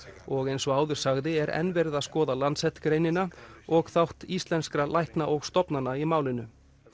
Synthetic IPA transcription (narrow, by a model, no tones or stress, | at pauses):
ɔɣejnsɔaːwðʏɾ̥saɣðɪɛɾɛ̰nvɛɾðaðskɔːðalant̪sɛht̪kɾejnɪnaɔɣθawht̪ist̪lɛnskɾalʔajhknaʔɔɣst̪ɔpnanːaimaːwlɪnʏ